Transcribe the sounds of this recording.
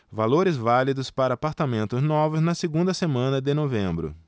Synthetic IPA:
valoɾɪzvalid̪ʊspaɾɐaːpaɾt̪amẽnt̪ʊznɔvʊznɐseɡũnd̪ɐsemɐ̃nɐd̪ɪnovẽmbɾʊ̰

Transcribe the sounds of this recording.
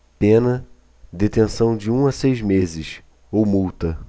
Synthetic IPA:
pẽnɐ | d̪et̪ẽsɐ̃w̃d͡ʒɪũɐsejzmezɪs | owmuwt̪ɐ

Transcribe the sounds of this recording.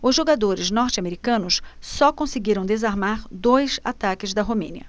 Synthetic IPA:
ʊzʒoɡad̪oɾɪznɔɾt͡ʃɪameɾikɐ̃nʊssɔkõsɪɡiɾɐ̃w̃d̪ezaɾmaɾd̪ojza̰t̪akɪzd̪ɐɦomḛ̃niɐ

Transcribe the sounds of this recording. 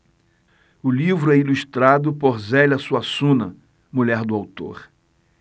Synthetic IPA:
ʊlivɾʊɛiluʃt̪ɾad̪ʊpoɾzɛlɐsuasũnɐ | muʎɛɾd̪ʊawt̪o̰ɾ

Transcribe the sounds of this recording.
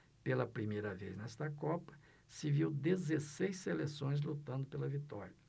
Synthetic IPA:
pelɐpɾimejɾɐvḛznɛst̪ɐkɔpɐ̥ | sɪviwd̪ezesejsselesõj̃zlut̪ɐ̃nd̪ʊpelɐvit̪ɔɾjɐ

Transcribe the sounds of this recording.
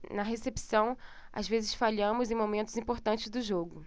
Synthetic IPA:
nɐɦesepsɐ̃w̃ | a̰zvezɪsfaʎɐ̃mʊzẽj̃momẽnt̪ʊzĩpoɾt̪ɐ̃nt͡ʃɪzd̪ʊʒoɡʊ

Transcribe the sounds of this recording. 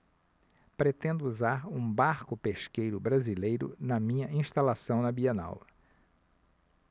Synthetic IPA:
pɾet̪ẽnd̪ʊuzaɾũbaɾkʊpeʃkejɾʊbɾazilejɾʊ̰nɐmĩɲɐʔĩʃt̪alasɐ̃w̃nɐbiena̰wɐ

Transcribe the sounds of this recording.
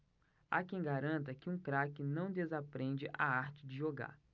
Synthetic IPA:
a̰kẽj̃ɡaɾɐ̃nt̪̬ɐkɪũkɾakɪnɐ̃w̃d̪ezapɾẽd͡ʒɪʔaaɾt͡ʃɪd͡ʒɪʒoɡa̰ɾ

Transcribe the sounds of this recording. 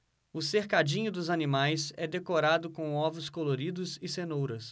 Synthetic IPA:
ʊseɾkad͡ʒĩɲʊd̪ʊzɐnimajsɛd̪ekoɾad̪ʊkõw̃ɔvʊskoloɾid̪ʊzɪsenowɾɐs

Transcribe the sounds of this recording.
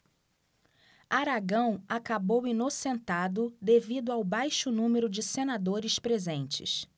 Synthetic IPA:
aɾaɡɐ̃w̃akabowinosẽnt̪ad̪ʊd̪evid̪ʊawbajʃʊnũmeɾʊd͡ʒɪsenad̪oɾɪspɾezẽnt͡ʃɪ̰s

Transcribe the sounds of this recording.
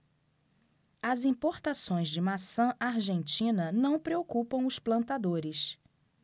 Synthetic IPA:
ɐzĩpoɾt̪asõj̃zd͡ʒɪmasɐ̃ʔaɾʒẽnt͡ʃĩnɐnɐ̃w̃pɾeokupɐ̃w̃ʊsplɐ̃nt̪ad̪oɾɪs

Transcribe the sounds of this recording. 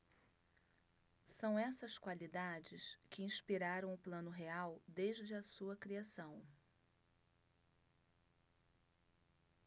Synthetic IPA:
sɐ̃w̃ɛsɐskwalid̪ad͡ʒɪskʰɪĩspiɾaɾɐ̃w̃ʊplɐ̃nʊɦeawd̪eʒd͡ʒɪɐsuɐkɾiasɐ̃w̃

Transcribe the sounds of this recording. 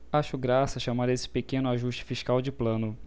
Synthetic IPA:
aʃʊɡɾasɐʃamaɾesɪ̥pekẽnʊaʒuʃt͡ʃɪ̥fiʃkawd͡ʒɪplɐ̃nʊ

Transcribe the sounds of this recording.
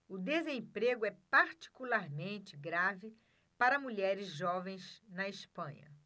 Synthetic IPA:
ʊd̪ezẽpɾeɡʊɛpaɾt͡ʃi̥kulaɾmẽnt͡ʃɪɡɾavɪ | paɾɐmuʎɛɾɪzʒɔvẽj̃znɐɪspɐ̃ɲɐ̰

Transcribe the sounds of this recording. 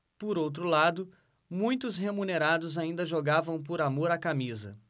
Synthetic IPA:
pʊɾowt̪ɾʊlad̪ʊ | mũj̃t̪ʊsɦemuneɾad̪ʊzaĩnd̪ɐʒoɡavɐ̃w̃pʊɾamoɾakamizɐ̰

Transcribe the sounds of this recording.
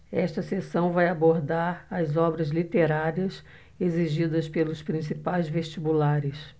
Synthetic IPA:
ɛʃt̪ɐsesɐ̃w̃vajaboɾd̪aɾɐzɔbɾɐzlit̪eɾaɾiɐs | eziʒid̪ɐspelʊspɾĩsipajzveʃt͡ʃibulaɾɪs

